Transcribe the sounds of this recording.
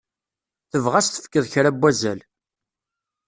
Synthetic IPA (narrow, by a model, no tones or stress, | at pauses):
θəvʁæst̪ə̥fkːəðˤçɾæbʷːæzæl